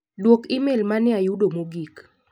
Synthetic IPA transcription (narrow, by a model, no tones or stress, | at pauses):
dwokimelmanɪajudomoɡik